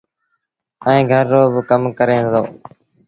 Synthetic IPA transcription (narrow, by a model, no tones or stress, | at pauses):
ɛẽːɡʱəɾːoːbkəmkəɾẽːd̪oː